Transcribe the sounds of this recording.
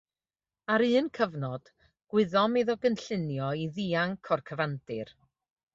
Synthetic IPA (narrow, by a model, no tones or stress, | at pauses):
aɾɨːnkʰəvnɔd̥ | ɡ̥wɪðɔmeðɔɡənɬɪnjɔiðiːaŋkʰɔrkʰəvandɨ̰r